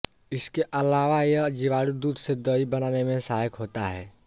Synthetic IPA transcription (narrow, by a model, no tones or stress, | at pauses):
ɪskeʔɐlaːʋajəd͡ʒiʋaːɽud̪uːd̪sed̪əibɐnaːnemẽsaːɦəkɦoːt̪aɦɛ̰ː